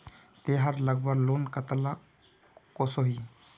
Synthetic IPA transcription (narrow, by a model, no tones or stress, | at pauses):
t̪eɦaɾləɡbəɡlonkət̪əla | kosoɦi